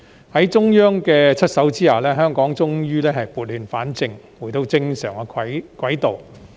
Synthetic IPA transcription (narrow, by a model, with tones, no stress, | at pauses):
hɐ˨˥jt͡sʊ˥ŋjœː˥ŋkɛː˧t͡ʃʰɵ˥t̚sɐ˨˥wt͡siː˥jaː˨˩lɛː˥ɦœː˥ŋkɔː˨˥ŋt͡sʊ˥ŋjyː˥lɛː˥ɦɐ˨jpuː˨t̚lyː˨˧nfaː˨˥nt͡sɪ˨˧ŋ | wuː˨˩t̪o˧wt͡sɪ˧ŋsœː˨˩ŋɛ˧˨kwɐ˨˥jt̪o˨w